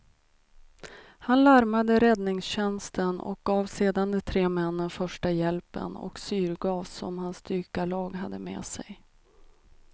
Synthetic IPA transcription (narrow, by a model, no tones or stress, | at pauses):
hanlaɾmad̪əɾɛd̪nɪŋsɕɛnst̪ʰənɔ̰k̚ɡ̥ɑːvseːd̪and̪ɛt̪ʰɾeːmɛnːənfœʂʈajɛlpə̰nɔ̰ksyːɾɡɑːvsɔ̰mhanst̪yːkalɑːɡɦad̪ːəmḛːsɛ̰j